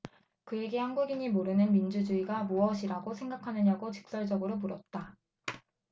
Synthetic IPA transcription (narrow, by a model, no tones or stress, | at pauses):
kɯe̞ɡe̞hanɡuɡiɲimoɾɯnɯnmind͡ʑud͡ʑuiɡamuʌɕʰiɾaɡosʰeŋɡakʰanɯɲaɡot͡ɕi̥k̚s͈ʌɭd͡ʑʌɡɯɾomuɾʌt̚t͈a